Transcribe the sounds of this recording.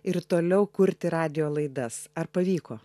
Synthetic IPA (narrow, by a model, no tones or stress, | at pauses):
ɪɾt̪oːlʲɛʊkʊɾʲt̪ʲɪɾɑːd̪ʲɪjoːlˠɐɪd̪ɐsɐrpɐʋʲiːkoː